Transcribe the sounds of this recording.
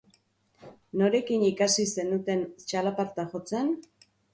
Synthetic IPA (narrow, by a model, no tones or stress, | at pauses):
no̞ɾe̞kinikasise̞nut̪e̞nt͡ʃalapaɾt̪axo̞t͡se̞n